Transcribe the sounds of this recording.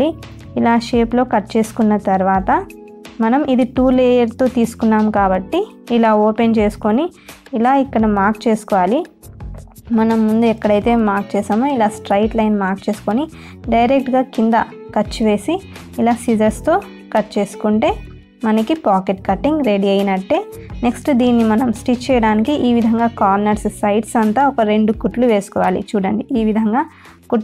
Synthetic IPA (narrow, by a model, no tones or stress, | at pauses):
i | ilaːʃeːplo̞ːkɐʈt͡ʃe̞ːsu̥kunːɐt̪ɐɾʋaːt̪ɐ | mɐnɐmʔid̪iʈuːleːjɐɾt̪o̞ːt̪iːsu̥kunːaːmkaːbɐʈːiːlaːoːpent͡ʃe̞ːsu̥ko̞niː | laːikːɐɽɐmaːɾk̚t͡ʃe̞ːsu̥kɔʋaːli | mɐnɐmːund̪uɛkːɐɽɐjt̪e̞ːmaːɾk̚t͡ʃeːseːmoːilaːsʈɾɐjʈlɐjnmaːɾkt͡ʃe̞ːsu̥koni | ɖɐjɾek̚ʈɡaːkind̪ɐkɐt͡ʃːuʋe̞ːsi | ilaːsid͡ʒɐɾst̪o̞ː | kɐʈt͡ʃe̞ːsu̥kuɳʈe̞ː | mɐnɐkipaːkeʈ̚kɐʈːiŋɡɾe̞ɽiɐjinɐʈːe̞ː | neksʈd̪iːnːimɐnɐmsʈit͡ʃt͡ʃːɛːjɐɽaːnikiʔiːʋid̪ʱɐŋɡaːkaːɾnɐɾssɐjʈsɐnt̪aːɔkɐɾe̞ɳɖukuʈluʋe̞ːsu̥kɔːʋa̰ːlḭt͡ʃuːɽɐɳɖiʔiːʋid̪ʱɐŋɡaː | ku